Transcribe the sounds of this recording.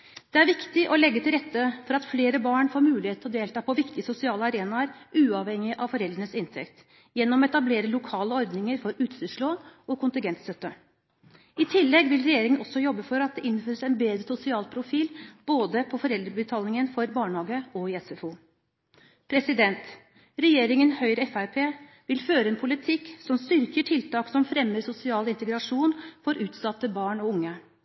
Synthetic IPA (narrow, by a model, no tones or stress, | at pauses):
d̪̥ɛæɾʋɪkt̪ɪʔɔlɛɡːət̪ʰɪlɾɛt̪ːəfɔɾɑt̪fleːɾəbɑːɳfoːɾmʉːlɪheːt̪ɔd̪eːlt̪ʰɑːpʰɔʋɪkt̪ɪsʊsɪɑːlɑɾeːnɑɾʔʉːɑʋhɛŋɪʔɑʋfɔɾɛld̪ɾəɳəsɪnt̪ʰɛ̰kt̪ | jɛnːɔmɛt̪ɑbleːɾəlʊkʰɑːləɔɾd̪nɪŋəɾfɔɾʉːt̪st̪əʂɭoːɔkʊnt̪ɪnŋɡɛnt̪st̪œt̪ːə | ɪt̪ʰɪlːɛɡʋɪlɾɛjeːɾɪŋənɔsːɔjɔbːəfɔɾɑt̪̚d̪ɛʔɪnføːɾəsɛnbeːd̪ɾəsʊsɪɑːlpʰɾʊfiːlb̥oːd̪əpʰɔfɔɾɛld̪ɾəbət̪ʰɑːlnɪŋənfɔɾbɑːɳhɑːɡəɔjɛsɛfuː | pʰɾɛsɪd̪ɛnt̪ | ɾɛjeːɾɪŋənhœʏɾəɛfæɾpʰeː | ʋɪlføːɾəɛːnpʰʊlɪt̪ʰɪkːsɔmst̪ʏɾkəʈʰɪlt̪ʰɑːksɔmfɾɛmːəɾsʊsɪɑːlɪnt̪əɡɾɑʂuːnfɔɾʉːt̪sɑt̪ːəbɑːɳɔʊŋːə